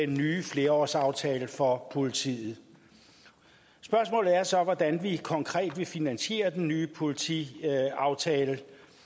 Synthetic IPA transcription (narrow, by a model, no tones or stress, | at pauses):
enːyːfle̝ːɐɒ̰ːsɑ̈ʊt͡sʰɛːləfɒ̽pʰo̝lit͡sʰḭːð̩ˠ | sb̥ɶɐs̬mɔ̰ːlð̩ˠæɐsɒ̽ʋɒd̥ænʋikʰɒ̽ŋkʰʁɛ̰ːd̥ʋe̝finænɕe̝̰ːɐd̥enːyːpʰo̝lit͡sʰḭɑ̈ʊt͡sʰɛːlə